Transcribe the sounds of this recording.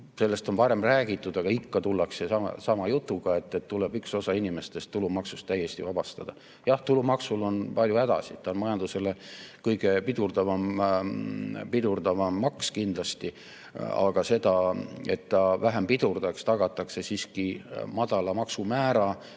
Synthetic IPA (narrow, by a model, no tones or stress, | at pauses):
se̞lːe̞st̪o̞npɑɾe̞mræːɡit̪ːˑud̪̥ɑɡ̥ɑikːɑt̪ulːɑkse̞sɑmɑ̰sɑmɑjut̪ːˑuɡ̥ɑe̞t̪ːet̪tːuleb̥ykso̞sɑinime̞st̪e̞st̪ːulumɑksust̪ːæjːe̞st̪ivɑb̥ɑst̪ɑd̪̥ɑ | jɑht̪ulumɑksulo̞npɑlʲjuæd̪̥ɑ̰sit̪ːˑɑonmɑjɑnd̪use̞lekɤjɡ̥e̞pid̪urd̪ɑvɑm | pid̪̥urd̪̥ɑvɑmːɑkskind̪̥lɑst̪i | ɑ̰ɡ̥ɑse̞d̪̥ɑe̞t̪ːɑvæɦempid̪urd̪̥ɑkst̪ɑɡ̥ɑt̪ːˑɑkse̞siːskimɑd̪̥ɑlɑmɑksumæːɾɑ